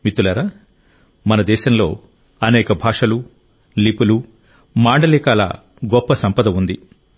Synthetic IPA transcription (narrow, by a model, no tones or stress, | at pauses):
mit̪ːulaːɾaː | mɐnɐd̪ɛːʃɐmlo̞̰ː | ɐnɛːkɐbʱaːʂɐlu | lipulu | maːɳɖɐliːkaːlɐ̰ | ɡɔpːɐsɐmpɐd̪ɐmund̪i